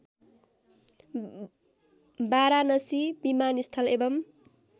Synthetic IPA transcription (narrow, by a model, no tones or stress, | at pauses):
baɾanʌsibimanist̪ʰʌlebʌm